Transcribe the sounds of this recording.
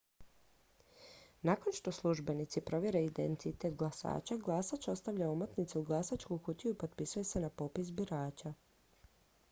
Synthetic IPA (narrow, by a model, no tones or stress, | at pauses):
nako̞nʃt̪o̞slˠuʒbe̞nit̪sipɾo̞ʋjeɾeid̪ent̪it̪e̞t̪ɡlˠasa̰ːt͡ʃaɡlˠasat͡ʃo̞st̪aʋʎaumot̪nit̪seuɡlˠasat͡ʃkukut̪ijuipo̞t̪̚pisuje̞se̞napo̞pisbiɾaːt͡ɕa